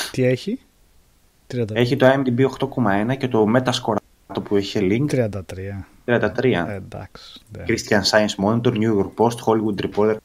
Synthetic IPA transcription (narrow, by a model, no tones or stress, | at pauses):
t̪ieçi | t̪ɾiɐd̪e̞çit̪oɐemd̪ibio̞xt̪o̞ko̞mɐe̞nɐce̞t̪o̞me̞t̪ɐsko̞ɾ | t̪o̞pueçeliŋk̪ɾiɐnd̪ɐt̪ɾiɐ | t̪ɾiɐnd̪ɐt̪ɾiɐd̪ɐ̰ksnkɾist̪çɐnsɐjnsmonet̪oɾnjujoɾk̚po̞st̪xoliɣud̪̚t̪ɾipoɾt̪eɾ